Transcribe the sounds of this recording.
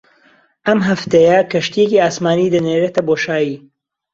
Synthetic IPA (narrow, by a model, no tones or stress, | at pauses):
ʔɐmɦɐft̪ɐjɐkɐʃt̪ijeciaːsmaːnid̪ɐneɾet̪ɐboːʃaːjiː